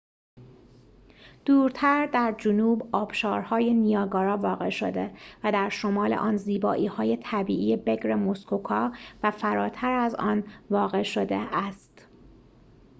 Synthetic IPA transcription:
d̪̥uːɾt̪ʰæɾd̪æɾd͡ʒunuːbɒːb̥ʃɒːɾhɒːjenijɒːɡɒːɾɒːvɒːɣe̞̰ʃo̰d̪e̞væd̪æɾʃo̞mɒːlḛʔɒːnziːbɒːʔiːhɒːje̞t̪ʰæbiːʔiːjebe̞ɡɾe̞moskʰokʰɒːvæfæɾɒːt̪ʰæɾæzɒːnvɒːɣe̞ʃod̪eæst̪

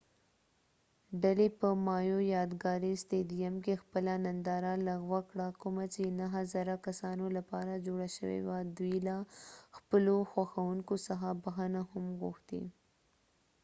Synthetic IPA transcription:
ɖalepəmɑjojɑd̪ɡɑɾist̪ed̪ijamkexpəlanand̪ɑɾalaɣwakɽakʊmat͡ʃenaɦazaɾakasɑnolapɑɾad͡ʒoɽaʃə̰wḛwad̪uilaxpəloxwaxawuŋkosaxabaxanahʊmɣṵxt̪ḭ

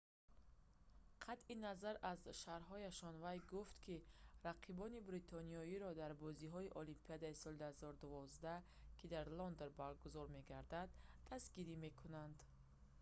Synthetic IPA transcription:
qʰat̪ʔinazaɾazʃaɾɦɔjaʃɔnvajɡuft̪kʰiɾaqʰibɔnibɾit̪ʰɔniɔiɾɔd̪aɾbɔziɦɔiʔɔlimpʰiad̪aisɔld̪uhazɔɾud̪uvɔzd̪a | kʰid̪aɾlɔnd̪oɾbaɾɡuzɔɾme̞ɡaɾd̪ad̪ːasɡiɾime̞kʰunand̪

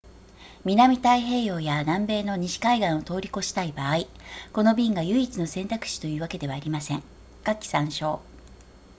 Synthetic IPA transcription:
mʲinamʲit̪aiɦe̞ːjo̞ːjanãmbe̞ːno̞ɲ̟iɕi̥kaiɡãɰ̃o̞t̪o̞ːɾʲiko̞ɕi̥t̪aibaːi | ko̞no̞bʲĩŋɡajɯ̟it͡sɨno̞sẽ̞nt̪akɯ̥ɕi̥t̪o̞jɯ̟ːβake̞d̪e̞βaːɾʲimasẽ̞ŋ | kakʲi̥sãɰ̃ɕo̞ː

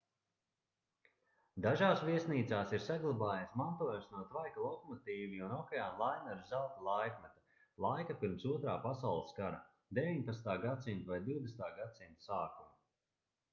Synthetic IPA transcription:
d̪aʒaːsviɛsniːt̪saːsiɾsaɡlˠabaːjasmant̪uɔjusnuɔt̪vajkalˠɔkɔmɔt̪iːviunɔkɛjaːmlˠajnɛɾzawt̪alˠajkmɛt̪a | lˠajkapiɾmsuɔt̪ɾaːpasawlˠskaɾa | d̪eviɲpat̪st̪aːɡat̪simt̪vajd̪iwd̪est̪aːɡat̪sint̪saːkum

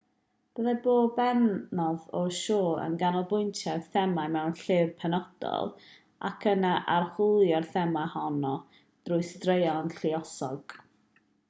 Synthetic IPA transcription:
b̥əðaboːbɛnnɔðɔʃoːə̰nɡanɔlˠbʊjntʰaθɛmamɛwnɬɪrpʰɛnɔd̥ɔ̰lˠ | ʔa̰kʰənaʔarhʊlˠjɔrθɛmahɔnɔ | d̥rʊɨstrejɔnɬiɔsɔɡ̥

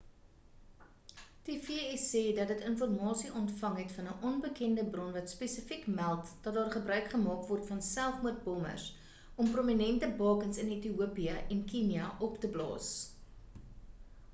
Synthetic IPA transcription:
tifiɛsɛːdɐt̚dətənfɔrmɑːsiʔɔntfɐŋɦɛtfɐnəʔɔnbəkɛndəbrɔnvɐtspesəfikmælˠtd̥ɐt̚dɑːrχəbrœɥkχəmɑːkvɔrtfɐnsælˠfmuət̚bɔmə̰rs | ɔmprominɛntəbɑːkənsənetiupiəʔɛnkiniɐʔɔptəblɑ̰ːs

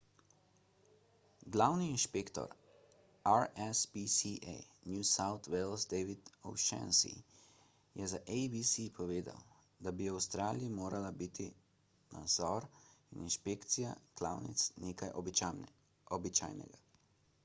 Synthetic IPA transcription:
ɡlawniːnʃpeːkt̪ɔ̰ɾ | aɾɛspisiʔḛjnjusawt̪welsd̪ɛːʋid̪owʃɛ̰nsḭ | jɛzaʔejbisipʰɔʋeːd̪a̰w | d̪abiawst̪ɾaːliimoːɾalabit̪i | na̰d̪zɔɾininʃpeːkt̪sija̰kla̰wnḭt̪sneːkajʔ | ɔbit͡ʃa̰ːjnɛ̰ɡa

